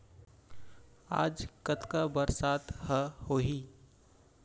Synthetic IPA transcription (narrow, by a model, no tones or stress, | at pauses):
a̰ːd͡ʒkət̪kabəɾsat̪həhoɦi